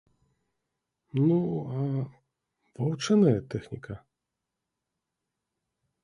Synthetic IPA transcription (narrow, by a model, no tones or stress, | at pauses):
nuɐ | vɐwt͡ʂɨnɐjɐt̪ɛxnʲikɐ